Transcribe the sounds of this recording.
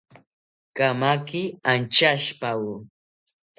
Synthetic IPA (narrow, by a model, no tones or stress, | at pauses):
kamakɪant͡ʃaʃpaw